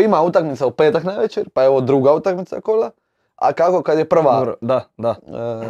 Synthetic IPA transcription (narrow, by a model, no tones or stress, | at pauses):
imaut̪akmit̪saupeːt̪aknaʋet͡ʃeɾpajeʋod̪ɾuːɡaut̪akmit̪sa̰kola | a̰kakokad̪jepr̩ʋaoɾd̪ad̪a